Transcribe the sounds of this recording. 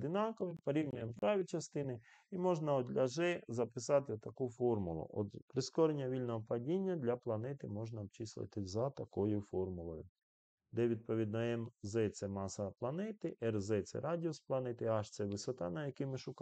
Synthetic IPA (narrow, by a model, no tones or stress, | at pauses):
d̪ɪnɑkɔʋɪpɔɾʲiwnʲʊjɛmpɾɑʋʲit͡ʃɐst̪ɪnɪ | imɔʒnɐɔd̪lʲɐʒɛzɐpɪsɑt̪ɪt̪ɐkufɔrmʊlˠʊ̰ʔɔ̰d̪pɾɪskɔɾenʲːɐʋʲilʲnɔɦɔpɐdʲinʲːɐd̪lʲɐplˠɐnɛt̪ɪmɔʒnɐbt͡ʃislˠɪ̰t̪ɪzɐt̪ɐkɔjʊfɔrmʊlˠɔjʊ | d̪ɛʋʲid̪̚pɔʋʲid̪nɔɛmzɛt̪sɛmɑsɐplˠɐnɛt̪ɪʔɛrzɛt̪sɛ̰ɾɑdʲiɔsplˠɐnɛt̪ɪɑʃt̪sɛʋɪsɔt̪ɑ̰nɐjɐkimɪʃʊk